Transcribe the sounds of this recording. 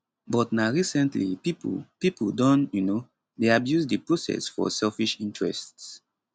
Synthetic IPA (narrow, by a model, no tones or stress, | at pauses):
bɔtnaɹisɛ̃ntlipipṵpipodɔ̃njuno | deabjuzdipɹosɛ̰sfɔ̰sɛlfiʃĩntɹɛ̰sts